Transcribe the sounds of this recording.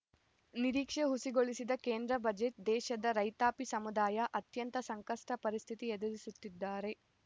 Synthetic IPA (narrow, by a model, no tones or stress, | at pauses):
niɾiːkʂeɦusiɡo̞ɭisid̪ɐkeːnd̪ɾɐbɐd͡ʒe̞ʈ̚d̪ɛːʃɐd̪ɐɾɐjt̪aːpisɐmud̪aːjɐʔɐt̪jɐnt̪ɐsɐŋkɐʂʈɐpɐɾist̪ʰit̪iɛd̪ɐɾisut̪ːid̪ːaːɾe̞